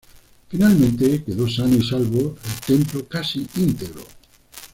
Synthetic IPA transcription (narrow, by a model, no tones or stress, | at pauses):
finalmẽnt̪ekeðosanisalβoelt̪emplokasiʔint̪eɣɾo̰